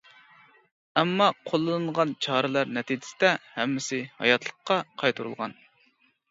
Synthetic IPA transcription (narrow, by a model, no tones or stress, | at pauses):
ɛmːɑqʰolˠːɨnɨɴʁɑnt͡ʃʰɑːɾɨlˠɑɾnɛt̪ʰid͡ʒɪ̥sɪd̪ɛhɛmːɪsɪhɑ̰jɑt̪ʰlˠə̥qʰːɑqʰɑjt̪ʰuɾṵlˠʁɑ̰n